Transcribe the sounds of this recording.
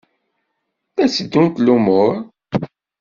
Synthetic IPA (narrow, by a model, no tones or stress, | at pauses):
æsəd̪ːunt̪lumʊɾˤ